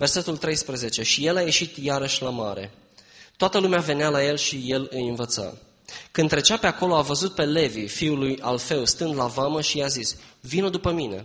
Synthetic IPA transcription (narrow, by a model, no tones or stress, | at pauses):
ve̞rse̞t̪ult̪ɾe̞jspɾəze̞t͡ʃe̞ʃije̞laje̞ʃit̪jaɾəʃʲlamaɾe̞̰ | t̪oat̪əlumeave̞nealaje̞lʃije̞lɨjɨnvət̪sa̰ | kɨnɾe̞t͡ʃape̞ako̞lo̞avəzut̪̚pe̞le̞vifiuluja̰lfe̞wst̪ɨnd̪lavaməʃiazisvinod̪upəmine̞̰